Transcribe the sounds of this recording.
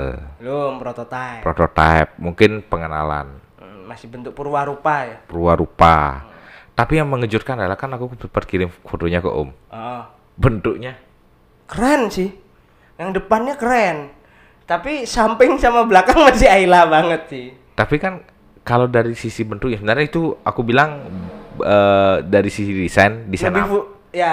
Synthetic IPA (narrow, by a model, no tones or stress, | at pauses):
llompɾot̪ot̪apɾot̪ot̪a̰ɛp̚muŋkɪnpəŋəna̰la̰n | masɪhbənt̪ʊk̚pəɾuahɾupajapəɾuaɾupa̰ | t̪apijaŋməŋəd͡ʒʊt̪̚kanadalahkanakupərkiɾɪmfot̪oɲako̰ʔʊ̰mɔʔɔ | bənt̪ʊk̚ɲa | kəɾɛnsɪh | jaŋdəpanɲakəɾɛn | t̪apisampɪŋsamablakaŋmasɪailabaŋət̪̚sɪh | t̪apikan | kalawdaɾisisibənt̪ʊk̚ɲasəbənarɲait̪ua̰kubilaŋ | ədaɾisisidisandisaniu | ja